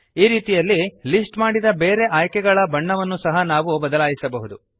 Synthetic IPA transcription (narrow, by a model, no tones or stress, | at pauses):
iːɾiːt̪ijɐlːilisʈmaːɽid̪ɐbeːɾeʔaːjkɛɡɐɭɐbɐɳːɐʋɐnːusɐɦɐnaːʋubɐd̪ɐlaːjisɐbɐɦud̪u